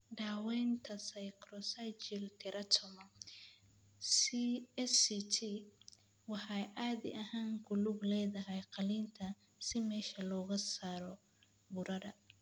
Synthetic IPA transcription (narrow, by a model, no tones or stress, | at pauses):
ɖaːwɛːnt̪ʰɐsɐjkrɔsajt͡ʃɪlt̪ʰɪɾʔɐt̪ʰɔmɐ | siɛsit̪ʰi | wɑħɑjʔaːðɪ̰ʔɐɦaːŋɡʊlublɛːðɐɦɛjqɑliːnt̪ʰɐ | sɪmɛːʃɐlɔːɣɐsaːɾɔ | bʊɾɐɾɐ